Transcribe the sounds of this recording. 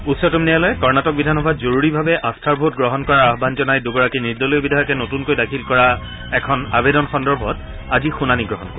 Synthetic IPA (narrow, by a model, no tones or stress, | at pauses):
utsɔtumnijalɔjɛkɔɹnatɔk̚bidʱanɦɔbazoɹuɹibʱabɛʔastʰaɹbɔɦut̚ɡɹɔɦɔnkɔɹaɹaɦɔbʱanzɔnajduɡɔɹakiniɹdɔlojbidʱajɔkɛnotunkojdakʰilkɔɹa | ɛkʰɔnabedɔnxɔndɔɹbʱɔt | azixunaniɡɹɔɦɔnkɔɹ